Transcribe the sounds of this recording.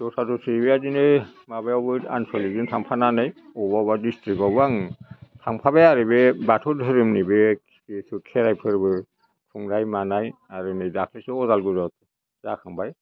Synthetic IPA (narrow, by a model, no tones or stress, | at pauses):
tɔtʰatɔsʰibiadinemabaɔbɯta̰nsɔliɡɯntʰaŋpʰananajɔbabadistikɔbaŋtʰaŋpʰabaaɾɯbebatʰɔdʱɯɾɯmnibɛ | isukʰɛɾajpʰɯɾbɯ | kʰuŋɾajmanajaɾɯnidakʰlisiɔzalɡuzɔt | za̰kʰaŋbaj